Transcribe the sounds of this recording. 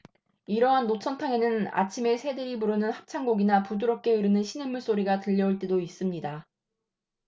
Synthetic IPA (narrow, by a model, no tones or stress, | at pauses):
iɾʌɦanːot͡ɕʰʌntʰaŋe̞nɯna̰t͡ɕʰime̞sʰe̞dɯɾipuɾɯnɯnhak̚t͡ɕʰaŋɡoɡinapuduɾʌp̚k͈e̞ɯɾɯnɯnɕʰinemːuɭs͈oɾiɡatɯʎːʌuɭt͈edois͈ɯmɲida